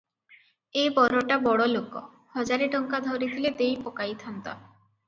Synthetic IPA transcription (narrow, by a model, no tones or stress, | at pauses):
epɔɾoʈabɔɽoloko̰ | hɔd͡ʑaɾeʈɔŋkad̪ʱoɾit̪ʰiled̪ejpokajt̪ʰant̪a̰